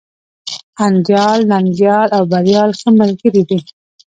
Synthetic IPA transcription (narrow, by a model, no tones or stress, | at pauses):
and͡ʒɑlnaŋɡjɑlawbaɾjɑlxəməlɡəɾid̪i